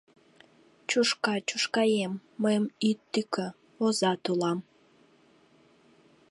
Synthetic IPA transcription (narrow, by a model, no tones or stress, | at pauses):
t͡ɕuʃkɑt͡ɕuʃkɑjemːəjəmit̪ːykø | ozɑt̪ulɑm